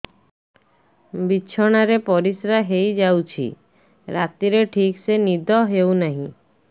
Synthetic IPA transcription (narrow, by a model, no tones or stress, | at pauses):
biːt͡ʃʰɔɽ̃aɾepɔɾisɾaɦejd͡ʒawt͡ʃʰḭ | ɾat̪iɾeʈʰiksenid̪ʱɔɦewnaɦĩ